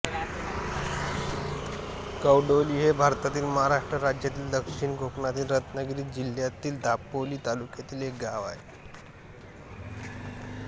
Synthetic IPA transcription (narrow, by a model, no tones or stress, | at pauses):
kəwɖoliːɦebʱaɾt̪at̪iːlməɦaɾaʂʈɾəɾad͡ʑjat̪iːld̪əkʂiɳɡʱokɳat̪iːlɾət̪nəɡɾiːd͡ʑiljat̪iːld̪ʱapəliːt̪alukjat̪iːlɦek̚ɡaʋa̰e